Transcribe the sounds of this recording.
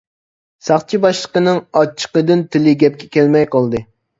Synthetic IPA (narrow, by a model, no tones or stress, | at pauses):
sɑχt͡ʃʰibɑʃlˠəqənɨŋɑt͡ʃʰːə̥qəd̪ɪnt̪ʰɪlɪɡʲɛp̚kʲɛ̥kʲɛlmɛjqɑlˠd̪ɨ